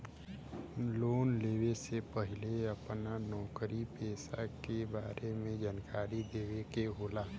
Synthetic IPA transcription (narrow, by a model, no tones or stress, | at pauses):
loːnleːwesepəɦɪleəpnanɔːkɾipeːsakebaːɾemẽd͡ʒaːnkʰaːɾid̪eːwekeɦoːlaː